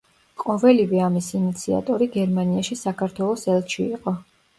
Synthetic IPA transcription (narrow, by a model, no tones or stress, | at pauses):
qʼɔvɛlivɛamisiːnit̪sʰia̰t̪ʼɔɾiɡɛɾmaniaʃisakʰaɾt̪ʰwɛlˠɔsɛlˠʃiiqʼɔ